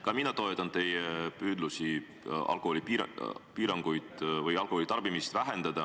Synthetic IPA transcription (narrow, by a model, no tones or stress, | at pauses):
kɑminɑt̪o̞et̪ːˑɑnt̪e̞jepyːd̪lusi | ɑ̰lkˑoholʲipiːɾɑŋɡ̥ujd̪̥vɯjɑlkoolit̪ɑrb̥imist̪væɦe̞nd̪̥ɑd̪̥ɑ